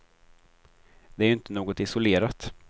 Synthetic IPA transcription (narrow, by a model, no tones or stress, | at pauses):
d̪ɛæɾʏnt̪ənoːɡɔt̪ɪsʊleːɾat̪